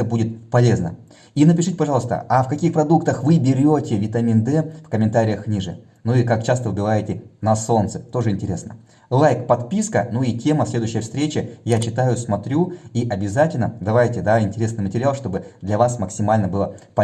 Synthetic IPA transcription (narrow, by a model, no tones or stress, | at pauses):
əbudʲɪt̪̚pɐlʲe̞znə̰ | inəpʲɪʂɨtʲɪpɐʐɑlˠst̪ə̰ʔafkɐkʲixpɾɐd̪ukt̪əxvɨbʲɪɾʲotʲɪvʲɪt̪ɐmʲind̪ɛfkəmʲɪnt̪aɾʲɪjəxnʲiʐɨ̰ | nuikak̚t͡ɕast̪əvɨbʲɪvajɪtʲɪnɐso̞nt̪sɨ̥t̪o̞ʐɨɪnʲtʲɪɾʲe̞snə̰ | lˠajkpɐt̪pʲiskə̰nuitʲe̞məsʲlʲe̞d̪ʊjɕːjəfst̪ɾʲet͡ɕɪjat͡ɕɪt̪ajʊsmɐt̪ɾʲuiʔɐbʲɪzatʲɪlʲnə̰d̪ɐvajtʲɪd̪aɪnʲtʲɪɾʲe̞snɨjmətʲɪɾʲɪalˠʂt̪o̞bɨd̪lʲɐvasməksʲɪmalʲnəbɨlˠəpɐ